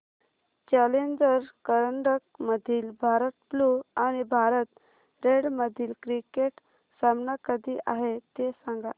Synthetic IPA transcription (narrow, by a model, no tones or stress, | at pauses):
t͡ɕalend͡ʑəɾkəɾəɳɖək̚məd̪ʱiːlbʱaɾət̪̚pluañibʱaɾət̪ | ɾeɽməd̪ʱiːlkɾikeʈ | samnakəd̪ʱiːʔaɦet̪esãŋɡa